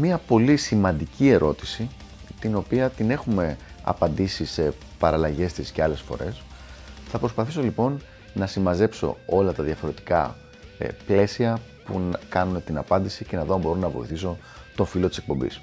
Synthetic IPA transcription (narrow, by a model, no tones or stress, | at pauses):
miɐpo̞lisimɐnd̪icie̞ɾʔo̞t̪i̥si | t̪ino̞piɐt̪ine̞xume̞ɐ̰pɐnd̪isise̞ | pɐɾɐlɐʝe̞st̪isce̞ɐle̞sfo̞̰ɾe̞sθɐpɾo̞spɐθiso̞lipo̞n | nɐsimɐze̞pso̞̰o̞lɐt̪ɐðjɐfo̞ɾe̞t̪i̥kɐ̰ | ple̞siɐpunkɐnunet̪inɐpɐnd̪isice̞nɐðo̞ɐmbo̞ɾonɐvo̞̰ḭθiso̞ | t̪o̞filo̞t̪i̥sek̚po̞mbḭs